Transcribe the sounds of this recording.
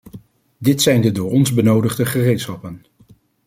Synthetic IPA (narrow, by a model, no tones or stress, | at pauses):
dɪtsɛjndədʊːɹɔnzbənowdəχdəχərejtsχɑpən